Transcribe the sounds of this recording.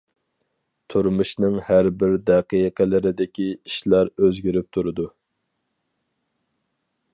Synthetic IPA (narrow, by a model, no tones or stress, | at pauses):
t̪ʰuɾmuʃnɨŋhæɾbɪɾd̪ɛqijqʰəlɪɾɪd̪ɪkʲiiʃlˠɑɾøzɡʲyɾyp̚t̪ʰuɾɨd̪u